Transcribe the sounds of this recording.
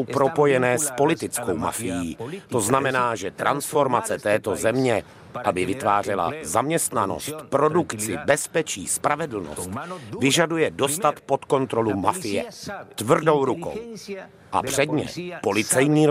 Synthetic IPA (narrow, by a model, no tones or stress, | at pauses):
wpɾo̞po̞jɛnɛːspo̞lɪt̪ɪt͡sko̞wma̰fɪjiːt̪o̞znamɛnaːʒɛt̪ɾʔansfo̞ɾmat͡sɛt̪ɛːt̪o̞zɛmɲɛ | ʔabɪvɪt̪vaːr̝ɛla̰zamɲɛst̪nano̞̰st̪pɾo̞dukt͡sɪbɛspɛt͡ʃḭːspɾavɛdl̩no̞̰st̪vɪʒadujɛdo̞st̪at̪po̞t̪ko̞nt̪ɾo̞lumafɪjɛ̰t̪vr̩do̞wɾuko̞̰w | ʔa̰pr̝̥ɛdɲɛ̰po̞lɪt͡sɛjɲiː